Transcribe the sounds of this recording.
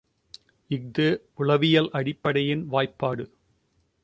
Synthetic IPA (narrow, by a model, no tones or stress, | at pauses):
ɪɡ̚d̪ɯ | ʊɭɐʋɪjɐlʔɐɽɪpːɐɽɐjɪnʋaːjpːaːɽɯ